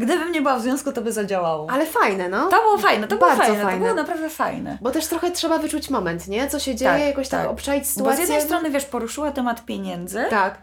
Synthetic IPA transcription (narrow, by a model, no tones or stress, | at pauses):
ɡd̪ɘbɘmɲɛbɘwavzvʲjɔ̃w̃skut̪ɔbɘzad͡ʑawawɔalɛfajnɛnɔt̪ɔbɨwɔfajnɛt̪ɔbɨɔaɾfazɔnfɛajɔbɨwɔnapɾavd̪ɛfa̰jnɛ̰bɔt̪ɛʂt̪ɾɔxɛtʂɛbavɘt͡ʂut͡ɕmɔmɛnt̪ɲɛt̪sɔɕɛd͡ʑeajɛjakɔɕt̪a̰kɔpʂavʲit͡ɕʲsɨ̥t̪uzajɛd̪ɛjst̪ɾɔnɘvʲjɛʂpɔɾuʂɘwat̪ɛmat̪pʲjeɲɛnd̪zɘt̪ak